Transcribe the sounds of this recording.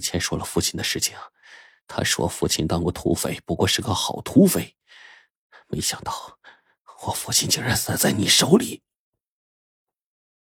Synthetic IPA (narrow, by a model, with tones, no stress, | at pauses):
t͡ɕʰjɛ˧˥nʂwɔ˥lə˨fu˥˩t͡ɕʰi˧˥nd̪ə˨˧ʂɻ̩˥˩t͡ɕʰi˧˥˩n˨˩ | t̪ʰa̰˥ʂwɔ̰˥˩fṵ˥˩t͡ɕʰi˧˥nt̪ɑ˥ŋkɔ˥˩t̪ʰṵ˥fe˧˩ɪpu˧˥kwɔ˥˧ʂɻ̩˥˩ɡə˧xɑ˨˩ʊt̪ʰu˥fe˥˩ɪ | me˧˥ɪɕjɑ˨˩ŋt̪ɑ˥˩ʊ | wɔ˨˩fu˥˩t͡ɕʰi˧˥nt͡ɕjɛ˥˩ɻa˥nsa˥˩t͡sa˥˩ɪni˨˩ʂo˧˥ʊli˨˩˦